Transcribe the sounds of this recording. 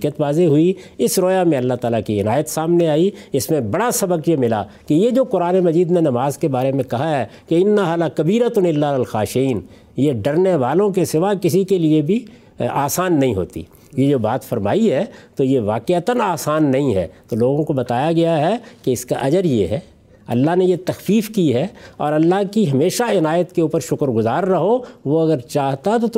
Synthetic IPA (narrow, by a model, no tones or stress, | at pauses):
kət̪ʋaːzeɦʊiɪsɾɔːjamẽɐlːaɦt̪aːlakiɪnaːjət̪saːmneaːiɪsmẽbɐɽasɐbəkjemɪla̰ | kejed͡ʒoːkʊɾaːnemɐd͡ʒiːd̪nenɐmaːzkebaːɾemẽkɐɦaɦɛ | keɪnːaɦalakɐbiːɾat̪ʊnɪlːaɐlxaːʃiːn | jeɖɐɾneʋaːlõkesɪʋakɪsikeliebʱi | aːsaːnːɐɦĩɦo̰ːt̪ḭ | jed͡ʒoːbaːt̪fɐɾma̰ːiɦɛːt̪ojeʋaːqet̪ənaːsaːnːɐɦĩɦɛ̰ːt̪oloːɡõkobɐt̪aːjaɡɐjaɦɛkeɪska̰ʔɐd͡ʒəɾjeɦɛː | ɐ̰lːaɦnejet̪ɐxfiːfkiɦɛɔ̰ːɾɐlːaɦkiɦɐmeːʃaɪnaːjət̪keuːpəɾʃʊkəɾɡʊzaːɾːɐɦoʋoɐɡəɾt͡ʃaːɦt̪aɛt̪ot̪